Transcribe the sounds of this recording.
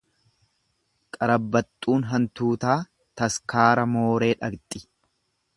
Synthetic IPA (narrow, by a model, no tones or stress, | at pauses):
kʼɐɾɐbːɐt̪ʼːuːnɦɐnt̪uːt̪aː | t̪ɐskaːɾɐmoːɾe̞ːᶑɐɡt̪ʼːɪ